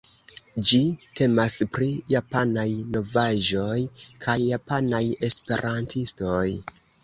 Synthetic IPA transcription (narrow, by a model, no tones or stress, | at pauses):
d͡ʒitʰe̞maspɾijapanajno̞vaʒo̞jkʰajːapanaje̞spe̞̰ɾʔantʰisto̞j